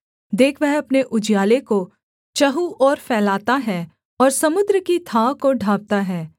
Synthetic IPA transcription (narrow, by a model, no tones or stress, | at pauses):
d̪eːkʰʋɛɦɐpneʔʊd͡ʒjaːleko | t͡ʃɐɦuʔɔːɾfɛːlaːt̪aɦɛː | ɔːɾsɐmʊd̪ɾəkit̪ʰaːkoɖʱaːb̚t̪aɦɛː